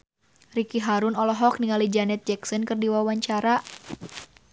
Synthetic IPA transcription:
rikiɦaɾʊnɔlɔɦɔk̚niŋalid͡ʒanɛt̪̚d͡ʒɛksɔnkɨrdiwawaɲt͡ʃaɾa

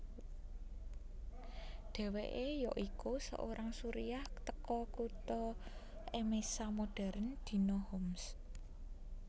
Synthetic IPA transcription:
ɖ̪̥ɛ̤weʔejɔʔikusə̰ʔoɾaŋsuɾijaht̪əkɔkut̪ɔ | ʔemesamoɖ̥ɛ̤ɾənd̪̥i̤nohɔms

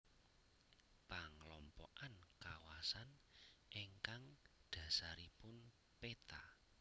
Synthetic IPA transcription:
paŋlɔmpɔ̰ʔankawasanʔeŋkaŋɖ̪̥ä̤saɾipʊn | pet̪a

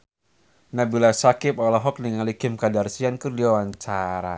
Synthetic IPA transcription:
nabilasakɪpɔlɔɦɔk̚niŋalikɪmkadarsiankɨrdiwawaɲt͡ʃaɾa̰

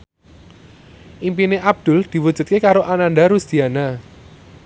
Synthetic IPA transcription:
ʔimpineʔab̚d̪̥ʊ̤ld̪̥i̤wud̥ʒ̥ṳt̪̚kekaɾoʔananɖaɾusd̪̥iana

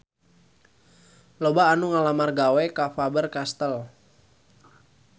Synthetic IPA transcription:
lobaːnuŋalamarɡawɛkafabərkast̪əl

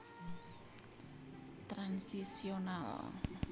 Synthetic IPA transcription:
t̪ɾansisiona̰l

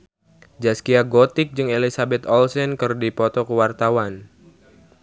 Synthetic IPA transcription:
d͡ʒaskiaɡot̪ɪk̚d͡ʒɨŋelisabɛt̪ɔlsɛnkɨrdipɔt̪ɔkəwart̪awan

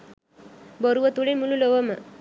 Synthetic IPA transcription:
boɾuʋət̪uɭimululoʋəmə

